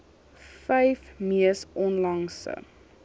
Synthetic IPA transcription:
fɛjfmiəsʔɔnlɐŋsə̰

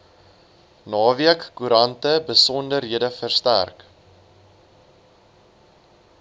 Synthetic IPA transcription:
nɑːviəkːuɾɐntəbəsɔndərɦiədəfərstæ̰rk

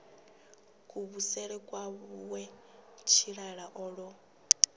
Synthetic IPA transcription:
kʼuβusɛɺɛkʼwaβuwɛt͡ʃʰiɺaɺaʔɔɺɔ

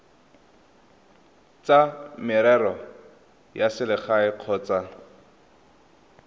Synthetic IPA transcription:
t͡samɪɾɛrɔ | jasɪlɪχaɪq͡χʰɔːt͡sa

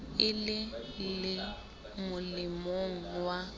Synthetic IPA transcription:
ɪlɪlɪ | mʊlɪmoŋ̩wa

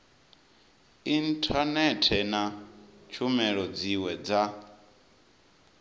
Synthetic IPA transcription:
intʰʼanɛtʰɛnat͡ʃʰumɛɺɔd͡ziwɛd͡za

